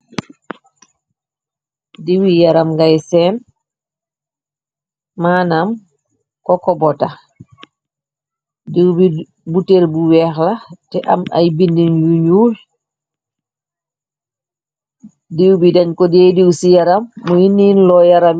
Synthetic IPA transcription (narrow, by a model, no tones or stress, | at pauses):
diwijaɾamŋɡajsɛn | maːnam | kɔkɔbɔta | diwbi | buteɾbuwɛxlatɛʔama̰jbindinjuɲuːl | diwbidaɲkɔdejdiwsijaɾamːɔjinːiːnlɔjaɾam